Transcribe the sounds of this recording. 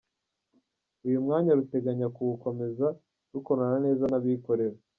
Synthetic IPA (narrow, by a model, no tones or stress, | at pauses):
ujumŋaːɲaɾute̞ɡaɲakuβuko̞me̞za | ɾuko̞ɾanane̞ːzanaβiko̞ɾe̞ɾa